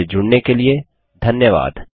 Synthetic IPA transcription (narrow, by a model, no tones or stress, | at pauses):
ed͡ʒʊɽnekelie | d̪ʱɐnjəʋa̰ːd̪